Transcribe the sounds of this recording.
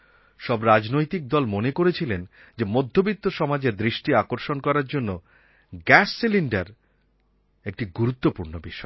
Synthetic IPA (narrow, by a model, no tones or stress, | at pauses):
ʃɔbɾad͡ʑnojt̪ik̚d̪ɔlmonekoɾet͡ɕʰilen | d͡ʑemod̪ʱːobit̪ːoʃɔmad͡ʑeɾd̪ɾiʃʈiakoɾʃonkɔɾaɾd͡ʑonːo | ɡɛsːiliɳɖaɾ | ek̚ʈiɡuɾut̪ːopuɾnobiʃɔe